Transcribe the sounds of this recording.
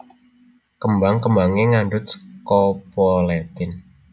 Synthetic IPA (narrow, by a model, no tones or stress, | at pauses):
kəmbaŋkəmbaŋeŋanɖʊt̪̚sə̥kɔpɔlet̪ɪn